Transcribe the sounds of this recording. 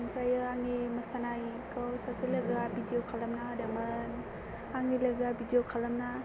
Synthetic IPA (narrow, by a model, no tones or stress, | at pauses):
ŋpɾajɯaŋeməsanajkawsasɯləɡabidiokʰalamnadaman | aŋiləɡabidiokʰalamna